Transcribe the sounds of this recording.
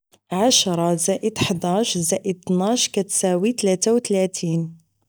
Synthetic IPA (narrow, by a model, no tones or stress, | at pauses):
ʕaʃɾˤɑzæʔəd̪ħd̪æʃzæʔəd̪̚t̪naʃkæt̪sæwit̪læt̪æwt̪læt̪ʰin